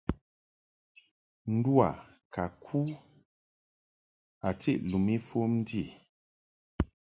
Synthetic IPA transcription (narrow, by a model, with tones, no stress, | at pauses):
n̩˦du˦a̰˨ | kʰa˨kʰu˦ | a˨ti˦ʔlu˨mi˦fo˦mn̩˦di˦e˨